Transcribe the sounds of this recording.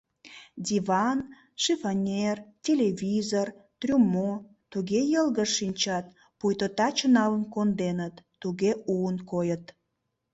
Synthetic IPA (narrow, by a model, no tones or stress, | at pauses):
d̪ʲiβɑn | ʃefonʲertʲelʲevʲizort̪rʲumo | t̪uɣejəlɣəʃinʲt͡ɕɑt̪̚ | pujt̪ot̪ɑt͡ɕənɑlənkond̪enət̪ːuɣeuənkojət̪